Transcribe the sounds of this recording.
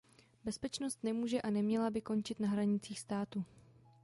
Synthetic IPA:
bɛspɛt͡ʃno̞st̪nɛmuːʒɛʔanɛmɲɛlabɪko̞nt͡ʃɪt̪naɦɾaɲɪt͡siːxst̪aːt̪u

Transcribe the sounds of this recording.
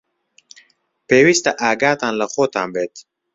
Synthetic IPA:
peːwist̪ɐʔaːɡaːt̪aːnlɐxoːt̪aːmbeːt̪

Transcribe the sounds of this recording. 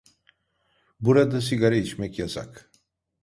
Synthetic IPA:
buɾad̪asiɡaɾait͡ʃmɛcjasa̰k

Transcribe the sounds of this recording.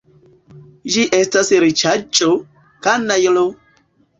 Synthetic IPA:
ʒiʔɛstasɾit͡ʃat͡ʃʼːo | kanːajlo

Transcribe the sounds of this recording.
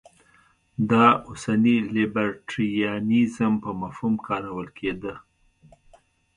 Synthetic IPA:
d̪ɑosanilibaɾʈɾiiɑnizəmpəmafhumkʰɑɾawəlkʰed̪ə

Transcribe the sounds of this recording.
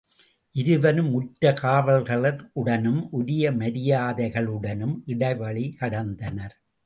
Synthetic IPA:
ʔɪɾɯʋɐnɯmːʊʈɾɐkaːɾɐlɣɐɭɐɾɯɽɐnɯmʔʊɾɪjɐmɐɾɪjaːðɐɪɣɐɭɯɽɐnɯmʔɪɽɐɪʋɐɭikɐɽɐnd̪ɐnɐɾ

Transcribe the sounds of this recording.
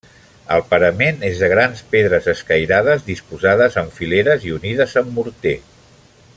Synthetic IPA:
ə̰lˠpəɾəmenezðəɣ̞ɾanspeðɾəzəskəjɾaðəzðispuzaðəzəɱfileɾəziuniðəzəmːuɾt̪e

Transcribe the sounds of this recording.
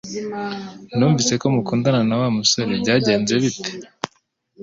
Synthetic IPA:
nuːɱvise̞ko̞mukuːndananawaːmuso̞ɾebɟaːɟe̞ːnzwe̞βite̥

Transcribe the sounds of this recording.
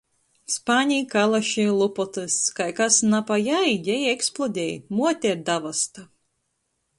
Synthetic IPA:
spaːnʲiːkalˠaʃilˠupɔt̪ɨskajkasnapajajjɛjɛksplˠɔd̪ʲɛjmuɔt̪ʲɛɾd̪avast̪a

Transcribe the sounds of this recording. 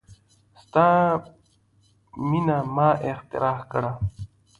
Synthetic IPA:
st̪ãː | minamaːʔext̪ḭɾaːhkɐɽa

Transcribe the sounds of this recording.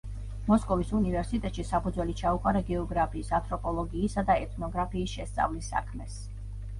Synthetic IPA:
mɔskʼɔvisunivɛɾsit̪ʼɛt̪ʼʃisapʰud̪zwɛlit͡ʃʰaukʼaɾaɡɛɔɡɾapʰiːsant̪ʰʼɾɔpʼɔlˠɔɡiːsad̪aɛt̪ʰnɔɡɾapʰiːsʃɛst̪sʼa̰vlisːa̰kʰmɛs

